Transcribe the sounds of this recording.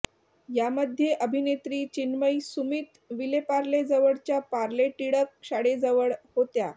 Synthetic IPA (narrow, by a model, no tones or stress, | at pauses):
jaməd̪ʱjeʔəbʱinet̪ɾiːt͡ɕinməjsumit̪ | ʋilepaɾled͡zəʋəɭt͡ɕjapaɾleʈiɽəkɕaɽed͡zəʋəɭhot̪ja